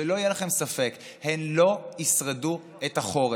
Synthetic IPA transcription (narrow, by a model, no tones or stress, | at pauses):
elo̞ijelaχe̞msafek | he̞nlo̞isʁedu | etaχo̞ʁe